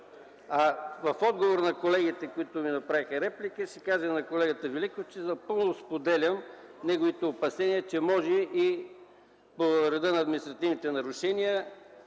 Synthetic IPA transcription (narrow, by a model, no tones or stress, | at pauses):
ɐvɐfɔd̪̚ɡovoɾnɐkolɛɡit̪ɛkoit̪ʊminɐpɾavixɐɾɛplikəʃikaʒənɐkolɛɡət̪əvilikoft͡ʃɛzɐpɤlˠnʊspod̪ɛlʲɐmnɛɡovit̪ɛopɐsɛniət͡ʃɛmɔʒɛʔi | poɾɛd̪ənɐːd̪mʲinist̪ɾɐt̪ivnit̪ɛnɐɾʊʃɛniə